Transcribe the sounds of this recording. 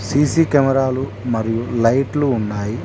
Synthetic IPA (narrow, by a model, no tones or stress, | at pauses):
siːsiːkɐmɐɾaːlu | mɐɾijulɐjʈluːnːaːji